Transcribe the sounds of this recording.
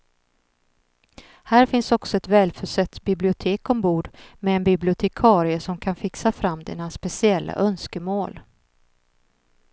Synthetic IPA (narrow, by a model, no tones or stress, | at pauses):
hæːɾfɪnsɔksɔɛt̪vɛːlfœʂɛt̪ːbɪblɪʊt̪ʰeːkɔmbuːɖmɛɛnbɪblɪʊt̪ʰɛkʰɑːɾɪəsɔmkʰanfɪksafɾamːd̪ɛ̰naspɛsɪɛlːa̰ʔœnskəmoːl